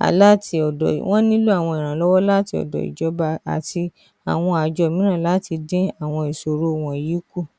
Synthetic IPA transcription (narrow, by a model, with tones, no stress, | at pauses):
a̰˨la˦˨ti˧ɔ˨dɔ̰˨w̃ʔɔ̃˦nĩ˦lu˦a˦˨w̃ɔ̃˧i˨ɾ̃ã˨lɔ˦wɔ˦la˦ti˧ɔ̰˨dɔ̰˨ḭ˨d͡ʒɔ˨˦ba˧a̰˨tʰi˧ | a˨w̃ɔ̃˧a˨d͡ʒɔ˧˨mĩ˦nã˦˨la˨˦ti˧dẽ˦a˦˨w̃ɔ̃˧i˨so˨ɾo˦˨w̃ɔ̃˨ji˨˦ku˦˨